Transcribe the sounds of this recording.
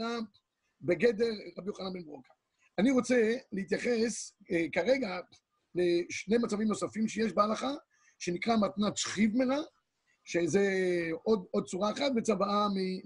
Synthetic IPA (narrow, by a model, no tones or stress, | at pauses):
a | beɡe̞d̪e̞ʁːabijoχananbenbʁokḁ | aniʁo̞t͡se̞leit̪jaχe̞skaʁe̞ɡa | leʃne̞jmat͡savimno̞safimʃejeʃbealaχa | ʃe̞nikʁamat̪nat͡sχivmeʁa | ʃeze̞od̪od̪̚t͡suʁaeχat̪vet͡sabaami